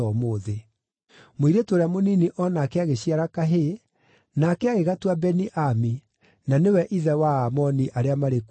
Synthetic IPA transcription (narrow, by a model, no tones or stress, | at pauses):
ɔmoːðe | moiɾetwoɾamoniniʔɔnakɛaɣeɕiaɾakaɦe | nakɛaɣeɣatwabɛniʔami | nanewɛʔiðɛwaamɔniʔaɾeamaɾek